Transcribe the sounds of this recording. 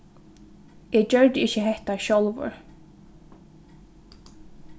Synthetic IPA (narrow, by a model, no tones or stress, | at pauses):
ʔɛːd͡ʑœɹd̪ɪçəɦɛht̪aʃɔlˠvʊ̰ɹ